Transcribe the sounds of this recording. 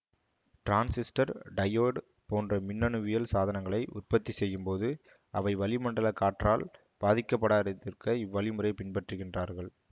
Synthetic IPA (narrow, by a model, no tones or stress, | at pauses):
ʈɾaːnsɪsʈɐɾɖɐjoːɽ | poːndrɐmɪnːɐnɯʋɪjɐlsaːðɐnɐŋɡɐɭɐɪʔʊ̰rpɐt̪ːisɛjːɯmpoːðɯ | ɐʋɐɪʋɐlɪmɐɳɖɐɭɐkːaːʈraːl | b̥aːðɪkːɐpːɐɽaːɾɐt̪ːɪrkɐɪʋːɐɭɪmɯrɐɪpɪnpɐʈrɯɣɪndraːɾɣɐɭ